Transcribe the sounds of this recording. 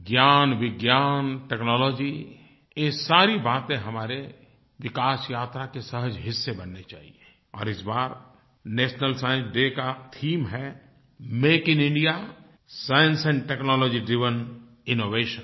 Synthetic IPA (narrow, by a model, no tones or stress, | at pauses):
ɡjaːnʋɪɡjaːnʈeknɔːlɔːd͡ʒi | eːsaːɾibaːt̪ẽɦɐmaːɾe | ʋɪkaːsjaːt̪ɾakesəɦəd͡ʒɦɪsːebɐnːet͡ʃa̰ːɦḭe | ɔ̰ːɾɪsbaːɾ | neːʃnəlsaːjə̃nsɖeːkat̪ʰiːmɦɛ | meːkɪ̃nɪ̃ɳɖija | saːjə̃nsɛ̃ɳɖʈeːknɔːlɔːd͡ʒiɖɾɪʋən | ɪnoːʋeːʃə̃